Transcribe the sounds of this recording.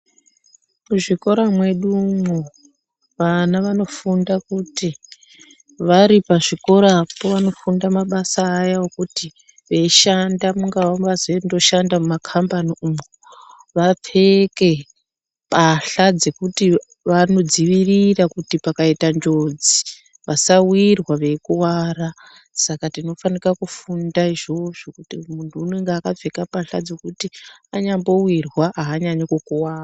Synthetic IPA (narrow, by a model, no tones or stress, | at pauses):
muʐiko̞ɾamwe̞ɗumo | ʋanaʋano̞fundakuti | ʋaɾipaʐiko̞ɾapoʋano̞fundamaɓasaːjaokuti | ʋeiʃandamuŋɡawomʋazendo̞ʃandamumakʰambaniumo | ʋap͡feke̞ | paɬad͡ze̞kuti | ʋano̞d͡ziʋirirakutipakaitand͡ʒod͡zi | ʋasawirwaʋe̞kuwaːɾa | sakatino̞fanikakufundaiʐo̞ʐokutimuntʰuːneŋɡaːkap͡fe̞kapaɬad͡ze̞kutiaɲambo̞wirwaaːɲaɲokokuwaːra